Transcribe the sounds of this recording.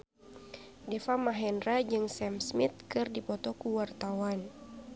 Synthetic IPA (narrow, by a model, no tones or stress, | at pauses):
dɛfamaɦɛndrad͡ʒɨŋsɛmsmit̪̚kɨrdipɔt̪ɔkuwart̪awan